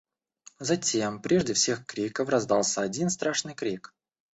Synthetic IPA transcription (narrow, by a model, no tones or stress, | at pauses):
zɐtʲempɾʲʔeʐdʲɪfsʲe̞xkɾʲikəfrɐzd̪alˠsʲəɐdʲinst̪ɾaʂnɨjkɾʲik